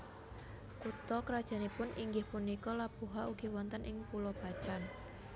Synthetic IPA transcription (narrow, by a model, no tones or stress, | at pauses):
kut̪ɔkɾad̥ʒ̥ä̤nipʊniŋɡɪhpunikɔlab̥ṳɦauɡ̥i̤wɔnt̪ənʔɪŋpulɔb̥a̤̥t͡ʃan